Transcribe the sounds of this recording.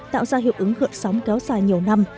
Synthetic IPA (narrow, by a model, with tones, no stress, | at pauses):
t̪a̰ː˧˨wzaː˧ɦḭ˨˩əw̚ʔɨ˨˦ŋɣɨ̰˧˨ənsɔ˨˦wŋ͡mkɛ˨˦wzaː˧˩jɲi˨˩əwna˧m